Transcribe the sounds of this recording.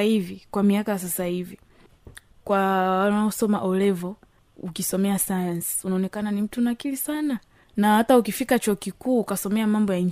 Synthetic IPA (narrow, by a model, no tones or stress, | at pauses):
hivikwamiakajas̬asahivi | kwawalnaɔsɔma̰ʔɔlɛvɔ | ukisɔmɛasajansi̥unaɔnɛkananim̩tunakilisana | nahataukifikat͡ʃɔːkikuːkasɔmɛamambɔjaɲ